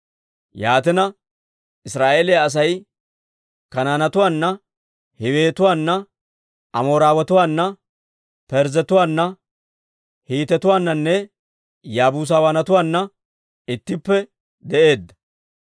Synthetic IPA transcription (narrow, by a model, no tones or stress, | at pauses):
jaːt̪̬ɛnɐ | ɪsɾaːʔeːlɪjaɐs̬ɐj | kɐnaːnɐt̪ʊwaːnːɐ | hɪweːt̪ʊwaːnːɐ | ʔɐmoːɾaːwɐt̪ʊwaːnːɐ | pɛɾzɛt̪ʊwaːnːɐ | hiːt̪ɛt̪ʊwaːnːɐnːɛ | jaːbuːs̬awaːnɐt̪ʊwaːnːɐ | ɪt̪ːɪpːɛ | d̪ɛʔe̞ːd̪ːɐ̥